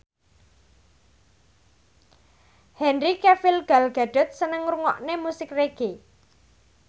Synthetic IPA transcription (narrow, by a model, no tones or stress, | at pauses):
hɛnrikɛfilɡ̥alɡ̥a̤ɖ̥ɔ̤t̪̚sənəŋɾuŋɔ̰ʔnemusɪkreɡ̥e